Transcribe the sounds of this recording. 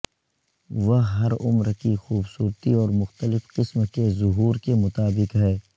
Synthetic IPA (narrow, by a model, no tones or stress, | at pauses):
ʋɐɦɦɐɾʊ̰mɾkixuːbsuːɾt̪iɔːɾmʊxt̪əlɪfqɪsmkezʊɦuːɾkemʊt̪aːbɪqɦɛː